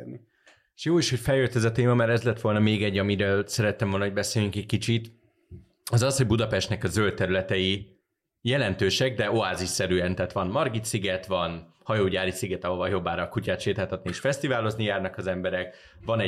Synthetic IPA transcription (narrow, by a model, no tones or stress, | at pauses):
i | eʃjoːiʃho̞cfɛljøt̪ːɛzɒt̪eːmɒmaɾɛzlɛt̪ʋo̞lnɒmeːɡɛɟːɒmiɾøːlsɛɾɛt̪ːɛmvolnɒɦo̞ɟʲbɛseːlyŋkɛckit͡ʃit̪ | ɒzɒsho̞ɟ̚bud̪ɒpɛʃt̪nɛkɒzølt̪ːɛɾylɛt̪ɛji | jɛlɛnt̪øːʃɛɡ̚d̪ɛoaːziʃsɛɾyːɛnt̪ɛt̪ʋɒnmɒrɡit̪siɡɛt̪ʋɒn | hɒjoːɟaːɾisiɡɛt̪ɒɦovɒljo̞bːaːɾɒkucaːt̪ʃeːt̪aːlt̪ɒt̪nieːʃfɛst̪ivaːlo̞znijaːrnɒkɒzɛmbɛɾɛk | vɒnɛ